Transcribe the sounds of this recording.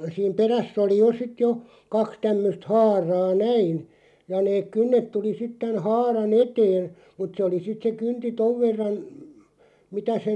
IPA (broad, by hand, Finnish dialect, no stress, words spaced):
siːm peræsˑ oli jo sit jo kɑks tæmːøst hɑːrɑː næin jɑ neːk̆ kynːet tuli sit tæn hɑːrɑn eteːn̞ mut se oli sit se kynti toʋ ʋerːɑn mitæ se